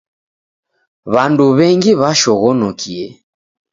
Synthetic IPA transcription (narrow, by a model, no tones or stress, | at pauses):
βanduβɛŋɡiβaʃɔɣɔnɔkiɛ